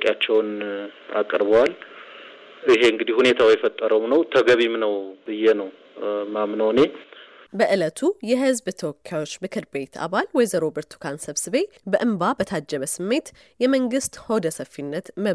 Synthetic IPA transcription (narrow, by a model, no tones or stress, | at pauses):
kʼjat͡ʃːɛwna̰kʼɾbwal | ɨɦe̞ɨŋɡɨd̪ihune̞t̪ʰawjɛfət̪ʼːəɾəwmnəwt̪ʰəɡəβimnəwbɨjɛnəw | mamnəwne̞ | bəʔɨlət̪ʰujɛɦɨzbt̪ʰəowɔkʰːjawot͡ʃːmɨkʰɨɾbe̞t̪ʰa̰βalwɔjzəɾobəɾt̪ʰu̥kʰansəβsɨβe̞ | bəʔɨmbabət̪ʰad͡ʒːɛβəsɨmːe̞t̪ | jɛməŋɡɨst̪hod̪əsəfːinːət̪mə